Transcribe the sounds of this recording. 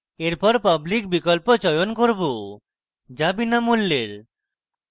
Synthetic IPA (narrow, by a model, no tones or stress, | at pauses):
eɾpɔɾpablikbikɔlpot͡ʃɔjonkoɾbo | d͡ʒabinamulːeɾ